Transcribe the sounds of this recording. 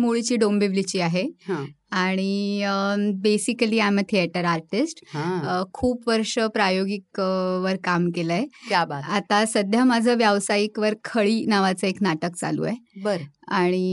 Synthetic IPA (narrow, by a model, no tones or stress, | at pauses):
moɭit͡ɕiːɖombiʋlit͡ɕiːaɦeɦã | aɽ̃i | besikəliːamt̪ʰiɛʈəɾaɾʈisʈɦãkʰuːpʋəɾʂəpɾajoɡikʋəɾkamkelaekjabat̪at̪asəd̪ʱjamad͡zʱəʋjaʋsaikʋəɾkʰəɭiːnaʋat͡səeknaʈək̚t͡sa̰lṵjebəɾə | aɽ̃i